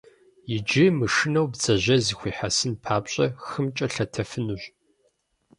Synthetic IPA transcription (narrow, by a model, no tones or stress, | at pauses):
jɪd͡ʒɪmɨʂɨnɐwbt͡sɐʑɐzixʷiːħasɨnpʰaːpɕʼɐxɨmt͡ʃʼɐɬɐtʰɐfɨnuɕ